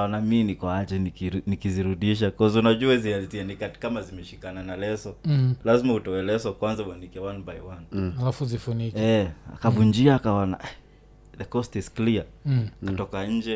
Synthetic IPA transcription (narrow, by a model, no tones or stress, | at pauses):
aɔnaminikɔat͡ʃɛnikinikiziɾuɗiʃ̬akɔzunad͡ʒuazializianikati̥kamazimɛʃikananalɛsɔlazimautɔwɛlɛsɔkwanzawanikɛwanbajwanalafuzifunikɛa̰kavund͡ʒiaːkaɔna̰ | ðɛkɔstizklia | katɔkaɲ̩d͡ʒɛ